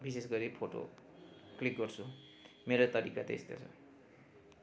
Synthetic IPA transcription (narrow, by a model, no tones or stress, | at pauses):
bisesɡʌɾipʰoʈo̰klik̚ɡʌrt͡sʰu | meɾot̪ʌɾikat̪ḛst̪ʰjo̰t͡sʰʌ̰